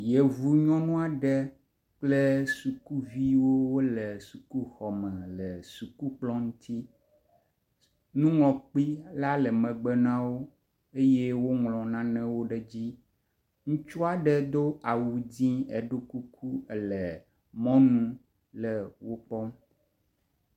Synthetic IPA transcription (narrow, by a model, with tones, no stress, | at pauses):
je˨vu˨ɲɔ̃˦nũ˦a˨ɖɛ˦ | k͡plɛ˦su˨ku˦vi˦wo˦wo˦lɛ˨su˨ku˦xɔ˨mɛ̃˨lɛ˨su˨ku˦k͡plɔ̃˦ŋũ˦t̪ʰi˦ | nũ˦ŋlɔ̃˨k͡pi˦la˦lɛ˨mɛ̃˨ɡ͡bɛ˦nã˦wo˦ | e˦jɛe˦wo˦ŋlɔ̃˨nã˦nɛ̃˦wo˦ɖɛ˨d͡ʑi˦ | ŋũ˦t͡ʃu˦a˨ɖɛ˦d̪o˦a˨wu˨d͡ʑĩ˦ɛ˨ɖo˦ku˦kʰu˦ɛ˨lɛ˨ | mɔ̃˦nũ˦ | lɛ˨wo˦k͡pɔ˦m